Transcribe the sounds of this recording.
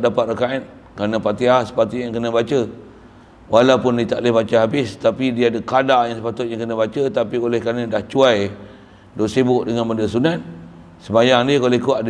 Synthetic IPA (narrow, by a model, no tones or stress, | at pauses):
dapat̪̚rəkaɛt̪̚ | kanə̃pat̪iahsə̥pat̪ijaŋkənəbat͡ʃə | walawpʊndit̪a̰ʔlehbat͡ʃəɦabɪst̪apidiaːdəkadajaŋsəpat̪ʊt̪̚jaŋkənəbat͡ʃət̪apiolɛhkarnədaht͡ʃuaj | doʔsibʊʔdəŋanməndəsunat̪̚ | səmajaŋdikolehkuaʔd